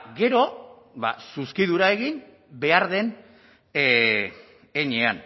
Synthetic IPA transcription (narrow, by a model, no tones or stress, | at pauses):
ɣe̞ɾo̞ | βa̰suskiðuɾae̞ɣin | be̞aɾðe̞n | eɲean